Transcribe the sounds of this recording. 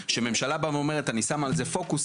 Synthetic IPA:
ʃeme̞mʃalabavome̞ʁetanisamalze̞fo̞kus

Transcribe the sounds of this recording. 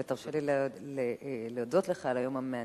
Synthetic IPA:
et̪aʁʃelilleleod̪ot̪leχalajo̞mamea

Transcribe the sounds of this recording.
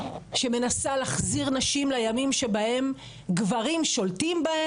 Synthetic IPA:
ʃe̞me̞nasalaχziʁnaʃimlajamimʃebahe̞m | ɡvaʁimʃo̞ltimbae

